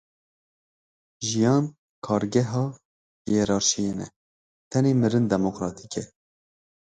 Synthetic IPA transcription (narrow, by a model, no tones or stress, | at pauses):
ʒijɑːn | kʰɑːɾɡɛɦɑː | jɛɾɑːɾʃijeːnɛ̰ | t̪ʰɛneːmɨɾɨnd̪ɛmokɾɑːt̪ʰi̥kɛ